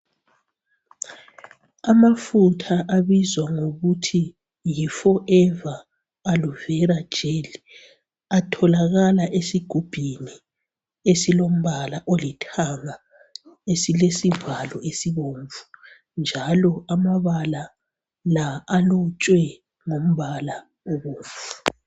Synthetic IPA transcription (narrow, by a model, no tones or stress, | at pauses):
amafutʰaʔaβizwaŋoɣutʰi | jifɔʔɛvaː | luvɛɾḁd͡ʒ̥ʱeli | atʰɔlaɣalaʔesiɡ̥ʱub̥ʱini | esilom̩βalaʔolitʰaŋa | esilesivalɔʔesiβoɱvu̥ | nd͡ʒʱalɔamaβala | laːlut͡ʃʼwɛ | ŋom̩βala | oβoːɱvuu